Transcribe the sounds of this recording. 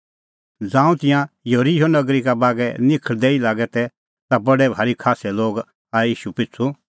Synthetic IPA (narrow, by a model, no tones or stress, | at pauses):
d͡zãːũt̪ɪ̃jãjoɾijonɐɡɾikabaːɡɛnɪkʰəɭd̪ɛːilaːɡɛt̪ɛ | t̪abɐɽɛbʱaːɾikʰaːsɛloːɡ | aːiːʃupɪt͡sʰu